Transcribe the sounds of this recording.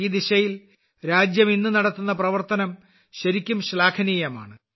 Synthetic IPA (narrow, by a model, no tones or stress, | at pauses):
iːd̪iɕɐjil | ɾaːd͡ʑjɐminːɨnɐɽɐt̪ːunːɐprɐʋɐrt̪ɐnɐm | ɕɐɾikʲːumɕlaːkʰɐnijɐma̰ːɳɨ